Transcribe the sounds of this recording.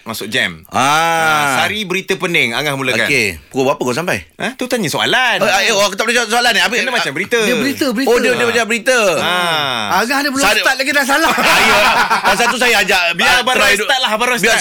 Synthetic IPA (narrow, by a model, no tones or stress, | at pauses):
masʊk̚d͡ʒɛ̰masaɾibəɾit̪əpənɪŋa̰ŋahmulaoakkepukobapəkaws̬ampa̰jəht̪ət̪aɲəsoa̰laneokət̪ap̚lət͡ʃasoalanapəkənəmat͡ʃambəɾit̪əəbəɾit̪əbəɾiodiədiəbad͡ʒabəɾit̪əaaŋahdəpəlɔst̪at̪̚laɡidaŋs̬alasajadas̬at̪us̬ajaad͡ʒaʔbiabaaət̪at̪̚lahbaɾasbia